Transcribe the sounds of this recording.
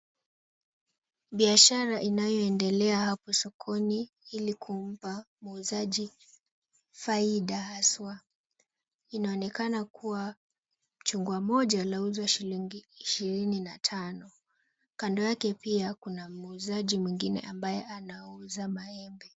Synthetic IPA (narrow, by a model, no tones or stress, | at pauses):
ɓiaʃaɾaʔinajɔɛndɛlɛahapɔsɔkʰɔni | ilikʰum̩pa | muuzaʄi | faiɗahaswa | inaɔnɛkanakʰuwa | m̩t͡ʃuŋɡwamɔʄalauzwaʃiliŋɡiːʃiɾininatʰanɔ | kandɔjakɛpiakunamuzaʄimwiŋɡinɛ̰ʔambajɛʔanauzamaɛmbɛ